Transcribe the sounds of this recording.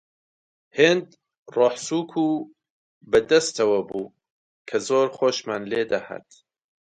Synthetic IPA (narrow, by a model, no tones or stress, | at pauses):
heːnd̪ | roːħsuːkʰu | bɐd̪ɐst̪ɐwɐbuː | kʰɐzoːɾχoːʃmaːnleːd̪ɐha̰t̪